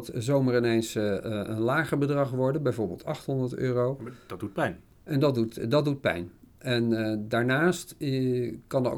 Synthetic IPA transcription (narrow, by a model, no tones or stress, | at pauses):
tzowmərɪnejnsə̰nlaːχəɹbədrɑχʋɔɹdənbɛjvoːɹbɪ̰ːlˠtɑχtɦɔndəɹtø̰ːrowd̥ɑt̚d̥ut̚pɛjn | ɛndɑdutdɑdut̚pɛ̰jnɛndaːɹnaːst | kɑn̰